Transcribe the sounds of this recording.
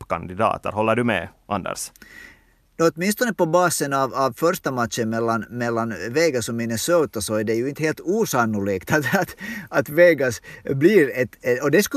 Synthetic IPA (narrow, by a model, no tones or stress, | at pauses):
kɑnd̪ɪd̪ɑ̰ːt̪æ̰ɾhɔlːəɖɵmɛ̰ʔɑ̰nd̪ɛ̰ɾs | nɔt̪mɪnst̪ɔnəpɔbɑːsənɑvɑvfœɾʂt̪amat̪ɕənmɛlːanmɛlːanveːɡasɔmɪnəsoːt̪asɔæɖɛjɵɪnt̪heːlt̪uːsanːʊliːkt̪at̪ːt̪ɑt̪veːɡasbliːɾɛt̪ɔd̪ɛsk